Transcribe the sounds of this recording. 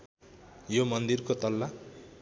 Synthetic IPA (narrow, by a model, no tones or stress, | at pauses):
jomʌnd̪irkot̪ʌlːa